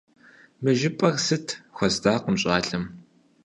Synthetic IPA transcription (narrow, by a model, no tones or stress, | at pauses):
mɨʒɪpʼɐrsɨtʰxʷɔzdaːqəmɕʼaːɬɐm